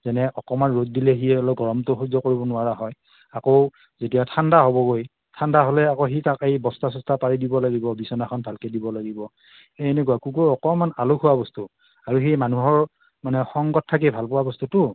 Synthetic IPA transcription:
zɛnɛʔɔkɔmanɹot̚dilɛɦijɛɔlɔɡɔɹɔmtɔxuzɔkoɹibɔnʊaɹaɦɔj | akow | zetijatʰandaɦobɔɡoj | tʰandaɦolɛakoxitakejbɔstas̬ɔstʰapaɹidibɔlaɡibɔbisɔnaxʰɔnbʱalkɛdibɔlaɡibɔ | eenekuakukoɔkɔmanalukʰhuwabɔstu | aɹuximanuɦɔɹ | manɛxɔŋɡɔt̚tʰːak̬ibʱalpɔwabɔstutʊ

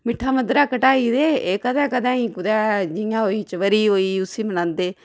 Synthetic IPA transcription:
mɪʈʰːaːməd̪ɾaːkəʈaːiːd̪eːeːkəd̪ɛ̃ːkəd̪ãːiːkʊd̪ɛːd͡ʒɪjãːɦoːiːt͡ʃəʋəɾiːɦoːiːʊsiːmənãːnd̪eː

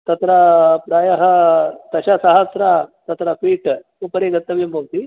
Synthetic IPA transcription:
t̪ɐt̪ɾapɾaːjaɦɐt̪ɐɕasɐɦəsɾat̪ɐt̪ɾafʰiːʈ | upəɾeɡɐt̪ːɐʋjembʱɐʋt̪i

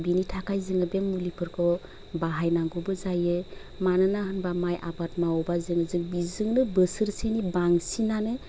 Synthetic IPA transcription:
binitʰakʰajzɯŋɯbemmːulipʰɯɾkʰɔ | baɦajnaŋɡɔbɯzajɯ | manɯnaɦɯnbamajʔabatmaɔbazɯŋɯzɯŋbizɯŋnɯbɯsɯɾsenibaŋsinanɯ

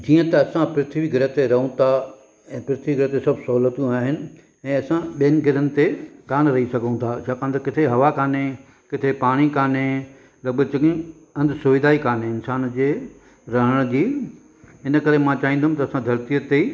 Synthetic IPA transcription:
d͡ʑiːə̃t̪ɐɐsãpɪɾɪt̪ʰʋiɡʱɪɾət̪eɾɐɦũt̪ʰa | ɛ̃ːpɾɪt̪ʰʋiɡʱɪɾət̪esɐbʱsɐɦuːlət̪jũaːɦɪnɪ̆ | ɛ̃ːɐsãɓijənɪ̆ɡʱɪɾənɪ̆t̪ekaːnɾɐɦisɐɡʱəũt̪ʰat͡ɕʰaːkãnd̪okɪt̪ʰeɦɐʋakaːne | kɪt̪ʰepaːɽ̃ikaːne | lɐbət͡ɕɐkĩ | ɐ̃nd̪ʱsʊʋɪd̪ʱaːikaːneɪnsaːnd͡ʑeː | ɾɐɦəɽ̃d͡ʑiː | ɪnə̆kɐɾemãt͡ɕaːɦĩːnd̪ʱɦʊm̆t̪ɐsãd̪ʱɐɾt̪ijət̪e

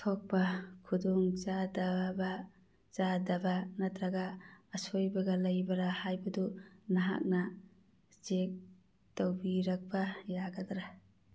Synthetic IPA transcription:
tʰok̚pakʰudɔŋzadaba | zadɐbanɐtɾaɡaːsojbɐɡɐlɐjbɐɾahajbɐdunaɦa̰k̚na | zek̚ | tawbiɾɐk̚bɐjaɡɐdɾa

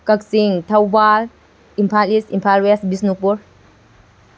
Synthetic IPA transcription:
kak̚siŋtʰawbal | impʰalisimpʰalwesbisnukuɾ

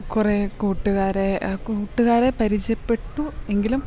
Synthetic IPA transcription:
kurekuːʈːuɣaːɾekuːʈːuɣaːɾepɐɾit͡ɕɐpːe̞ʈːue̞ŋɡilum

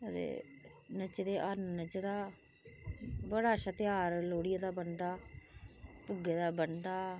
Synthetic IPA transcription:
ət̪ḛːnət͡ʃd̪eːʔəɾnːət͡ʃd̪aː | bəɽaːʃat̪ɪjaːɾloːɽɪjaːd̪aːbənd̪aː | pʊɡeːd̪aːbənd̪aː

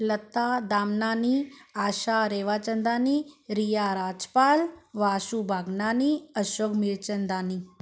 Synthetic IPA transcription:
lət̪ad̪amnaːniaːʃaɾeːʋat͡ʃənd̪aniɾijaɾaːd͡ʒpaːlʋaːʃubʱaːɡnaniəʃoɡmiɭt͡ʃənd̪ani

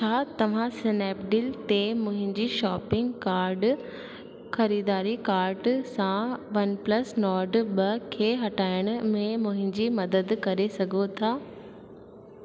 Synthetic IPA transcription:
t͡ɕʰaːt̪ɐʋ̤ãsɪnɛːpɖɪlt̪emʊ̃ɦɪ̃ɲd͡ʑiʃɔːpɪ̃ŋɡkaːɾɖ | xɐɾiːd̪aːɾikaːɾɖsãʋɐnplɐsnɔːɖɓɐkʰeːɦɐʈaːɪɽ̃ʊmẽmʊ̃ɦɪ̃ɲd͡ʑimɐd̪əd̪kɐɾesɐɡʱot̪ʰaː

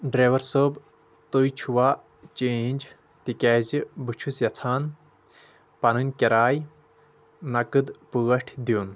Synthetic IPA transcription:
ɖɾeːʋɐɾsoːb | t̪ojt͡ʃʰuʋaː | t͡ʃenʲd͡ʒ | t̪ikʲɛːzibɨt͡ʃʰusjɐt͡sʰaːn | pɐnunʲkʲeɾaːj | nɐkɨd̪puɣɐʈʰd̪jiːn

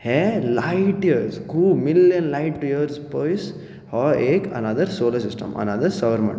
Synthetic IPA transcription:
helajʈjəɾskuːmiljɐnlajʈːjəɾspɔːjs | hɔːeːkɐ̰nɐd̪ɐɾsoːlɐsɪsʈɐ̰̃mɐ̰nɐd̪ɐɾsɐʋɐɾmɐ̰̃ɳʈ

